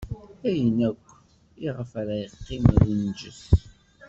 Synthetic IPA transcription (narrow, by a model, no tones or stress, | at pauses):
æjənækʷː | iʁəfæɾæjəqːɪmðənd͡ʒəθ